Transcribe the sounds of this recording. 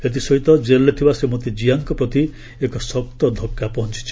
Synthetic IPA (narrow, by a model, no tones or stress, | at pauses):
et̪̬isɔɦit̪ɔd͡ʒelːet̪ʰibasemot̪id͡ʒiaŋkɔpɾɔt̪i | ekɔsɔk̚t̪ɔd̪ʱɔkːjapɔɦɔnt͡ʃi̥t͡ʃʰi̥